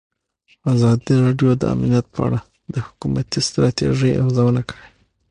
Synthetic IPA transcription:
azɑd̪iɾɑɖjod̪əa̰mnjat̪̚pʰəa̰ɽa | d̪əhʊ̥kumat̪ist̪ɾɑt̪ḛʐəjʔa̰fzawənakəɽe

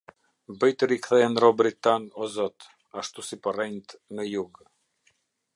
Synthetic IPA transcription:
bəjt̪əɾikθɛɛnɾɔbɾit̪anɔzɔt̪ | aʃt̪usipərɛnt̪nəjuɡ

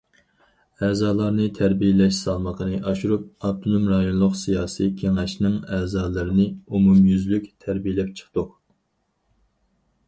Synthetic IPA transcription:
ɛːzɑːlˠɑɾnɨt̪ʰæɾbijelɛʃsɑlˠməqʰənɨʔɑʃuɾup̚ɑb̚t̪ʰonumɾɑjonlˠʊqsijɑːsikʲʰeŋɛʃnɪŋæːzɑːlˠɨɾɨnɨumumjyzlykʲt̪ʰæɾbijlɛp̚t͡ʃʰə̥χt̪ʊq

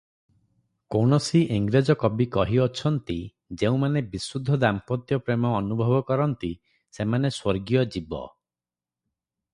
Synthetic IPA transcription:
koɳɔsiʔeŋɡɾad͡ʒɔkɔbikɔɦiɔt͡ʃʰɔnt̪i | d͡ʒeũmanebisud̪ʱːɔd̪ampɔt̪jɔpɾemɔːnubʱɔbɔkɔɾɔnt̪i | semaneswɔɾɡijɔd͡ʒibɔ̰

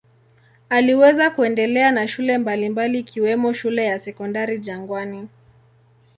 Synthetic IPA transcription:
aliwɛzakuɛndɛlɛanaʃulɛmbalimbaliːkʰiwɛmɔʃulɛjasɛkɔndaɾid͡ʒaŋɡwani

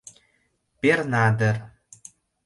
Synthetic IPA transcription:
pernɑd̪ɤ̆r

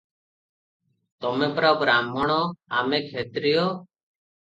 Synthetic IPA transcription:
t̪ɔmepɾɔbɾamɔɽ̃ɔamekʰet̪ɾijo

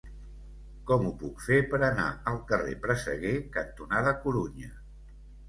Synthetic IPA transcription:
kɔmupukfepəɾəna̰əlˠkərḛpɾəsə̰ɣekənt̪unaðəkuɾuɲə

